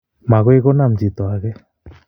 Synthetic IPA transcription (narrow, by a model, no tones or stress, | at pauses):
maɣɔjɡɔnamd͡ʒit̪ɔaɡɛ